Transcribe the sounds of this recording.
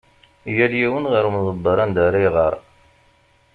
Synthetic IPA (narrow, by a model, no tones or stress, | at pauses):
jæljiwənʁəɾumðˤəbːəɾˤɑnd̪aɾˤijʁəɾˤ